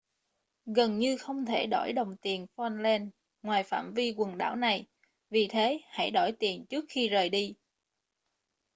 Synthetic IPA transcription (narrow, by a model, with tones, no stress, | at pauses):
ɣə˨˩nɲɨ˧xə˧wŋ͡mt̪ʰe˧˩ɗɔ˧˩jɗə˨˩wŋ͡mt̪i˨˩ənfɔ˧nlɛ˧n | ŋwaː˨˩jfa̰ː˧˩˨mvi˧kwə˨˩nɗa̰ː˧˥˩wna˨˩j | vi˨˩t̪ʰe˨˦ha̰˧˥jɗɔ˧˩jt̪i˨˩ənt͡ɕɨ˦˥ək̚xi˧zəː˨˩jɗi˧